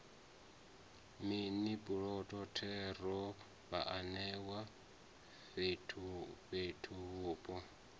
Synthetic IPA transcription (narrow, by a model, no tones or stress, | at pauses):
minipʼuɺɔtʼɔtʰɛɾɔ | βaʔanɛwa | etʰuɸetʰuβuːpʼɔ